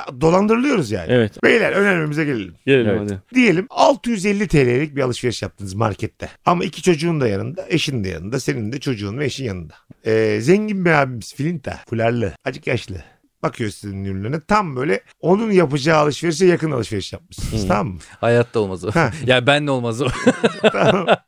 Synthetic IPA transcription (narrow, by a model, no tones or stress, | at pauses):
d̪o̞lˠand̪ɯɾɯlˠɯjo̞ɾuzja̰ːnevɛt̪bejlʲæɾø̞nællʲiemizɛɟelʲelʲimd̪ije̞lʲimalˠt̪ʰɯjyzɛlʲːit̪ʰelʲejelʲic̚bialˠɯʃve̞ɾɯʃjap̚t̪ʰɯːnɯzma̰ɾcʰɛt̪ʰːɛamaicʰi̥t͡ʃʰo̞d͡ʒuːnd̪ajanɯnd̪aeʃinna̰ja̰nɯnd̪ase̞nind̪ɛt͡ʃʰo̞d͡ʒuːnvɛeʃinjanɯnd̪aɛːzɛɲɟinmɛɾaːbimiz̥filʲint̪ʰa̰fulʲaɾlˠɯad͡ʒɯkjaʃlˠɯ̰ | bakʰɯjosizinːyɾlʲynɛt̪ʰambø̞jlʲɛ | o̞nunjapɯd͡ʒaːalˠɯʃveɾɯʃ̬ɛjakɯnalˠɯʃveɾɯʃjap̚mɯʃsɯnɯz̥t̪ʰamːɯhajat̪ʰːaolˠmazohæjabænd̪ɛolˠmazot̪ʰamam